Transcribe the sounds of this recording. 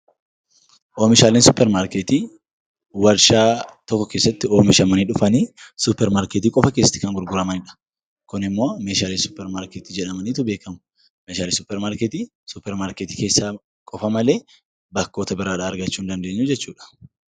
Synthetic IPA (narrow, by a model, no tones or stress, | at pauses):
ʔoːmɪʃaːleːnsʊpːɛɾmaːɾkɛt̪iː | wɐɾʃaːt̪ɔkːɔke̞ːsːɐt̪ːɪoːmɪʃɐmɐniːᶑʊfɐniːsʊpːɛɾmaːɾkɛt̪iːkʼɔfɐke̞ːsːɐ̥t̪ːɪ̥kɐŋɡʊɾɡʊɾɐmɐnɪᶑɐ̥ | kʊnɪmːo̞ːmeːʃaːleːnsʊ̥pːɛɾmaːɾkɛt̪id͡ʒɛᶑɐmɐniːt̪ʊbe̞ːkɐmʊ̥ | meːʃaːlensʊpːɛɾmaːɾkɛt̪i | sʊpːɛɾmaːɾkɛt̪i̥ːkeːsːaː | kʼɔfɐmɐleː | bɐkːo̞ːt̪ɐbɪɾaːᶑɐːɾɡɐt͡ʃːuːnd̪ɐnd̪e̞ːɲːud͡ʒɛt͡ʃːuːᶑɐ̥